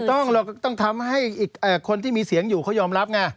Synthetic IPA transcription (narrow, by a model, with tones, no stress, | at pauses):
t̪ɔ˥˩ŋlɤ˧˩kt̪ɔ˥˩ŋt̪ʰa˧mɦa˥˩jʔiː˨˩k̚ʔaː˨˩kʰo˧nt̪ʰiː˥˩miː˧si˨˩˦əŋjuː˨˩kʰa˦˥˩wjɔː˧mɾa˦˥p̚ŋa˧˩